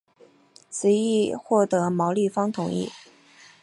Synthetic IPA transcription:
t͡sʰɹ̩˨˧˥i˥˧xwɔ˥˩t̪ɤ˧˥mɑ˧˥ʊli˥˩fɑ˥ŋt̪ʰʊ˨˩˦ŋḭ˥˩

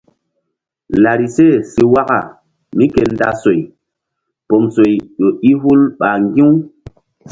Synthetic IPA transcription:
la˨ɾi˨se˦˨si˨wa˦ka̰˨ | mi˦ke˨nda˦so˨j | po˨mso˨jɗo˨i˦hu˦lɓa˨ŋɡĩ˦w

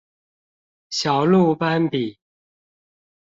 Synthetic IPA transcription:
ɕjɑ˨˩ʊlu˥˨pa˦npi˨˩˦

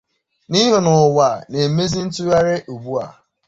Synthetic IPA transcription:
ni˦ɦʊ˨nʊ˨wa˨ne˨me˦zi˦n̩˦tʊ˦ja˦ɾe˦ʔu˨bu˦a̰˨

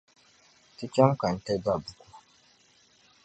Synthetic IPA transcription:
ti˦t͡ʃɛ˦mka˨n̩˨tɛ˦da˦bu˨ku˦

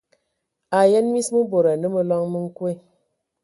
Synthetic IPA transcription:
a˨je˦nmi˦smɨ˦bo˨ɾa˨nɨ˦mə˦lɔ˦ŋmɨ˦ŋ̩˦kwe˦˨

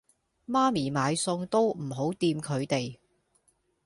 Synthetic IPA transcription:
maː˥miː˨˩maː˨˧jsʊ˧ŋt̪o˥wm̩˨˩ɦo˨˥wt̪iː˧mkʰɵ˨˧ɥt̪e˨j

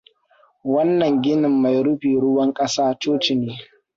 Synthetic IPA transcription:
wɐ˦nːɐ˨ŋɡʲɪ˦nɪ˨mːa˨jɽʊ˦ɸiː˨ɽʊ˦wɐ˦ŋkʼɐ˦saː˦t͡ʃoː˦t͡ʃɪ˨neː˦

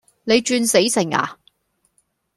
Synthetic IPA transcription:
ne˨˧jt͡ʃyː˧nse˨˥jsɪ˨˩ŋa̰ː˨

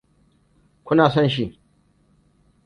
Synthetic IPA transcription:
kʷʊ˦naː˨sɔ˦nʃ̬i˦˨

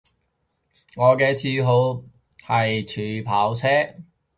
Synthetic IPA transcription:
ŋɔː˨˧kɛː˧t͡sʰiː˧ɦo˨˧w | hɐ˨jt͡ʃʰyː˨˥pʰaː˨˥wt͡sʰɛː˥

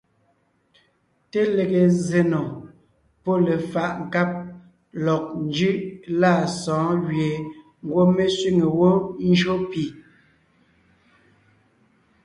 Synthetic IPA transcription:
te˦le˨ɣe˨ze˨nɔ˨ | po˦le˨fa˨ʔŋ̩˨ka˦p̚ | lɔ˨k̚n˦d͡ʒʉ˦ʔla˦˨sɔ̃ː˨˦ɣɥje˨ | ŋ̩˦ɡwo˦me˦swi˦ŋe˨wo˦n̩˦d͡ʒo˦pi˨

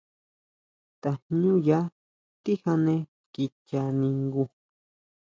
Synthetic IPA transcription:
t̪a˧ɲũ˦ja˦ | t̪i˦ha˧nẽ˧ | ki˧t͡ʃa˧nĩ˧ŋɡu˧

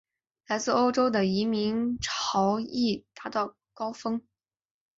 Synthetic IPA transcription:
la˧˥ɪt͡sɹ̩˥˩o˥ʊʈ͡ʂo˥ʊd̪ə˨i˧˥mi˧˥ŋʈ͡ʂʰɑ˧˥ʊi˥˩t̪a˧˥t̪ɑ˥˩ʊ | kɑ˥ʊfɤ˥ŋ

